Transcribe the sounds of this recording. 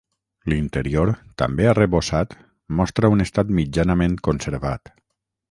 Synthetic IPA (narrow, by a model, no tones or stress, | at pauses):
lint̪eɾioɾt̪a̰mbeareβosat̪ | mɔst̪ɾaunest̪at̪mid͡ʒanəmẽŋkonseɾβat̪